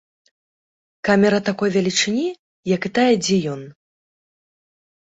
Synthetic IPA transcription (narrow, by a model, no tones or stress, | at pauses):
kamʲɛɾɐt̪akɔjvʲɛlʲit͡ʂɨnʲi | jɐkɨt̪ajɛd͡zʲɛjɔn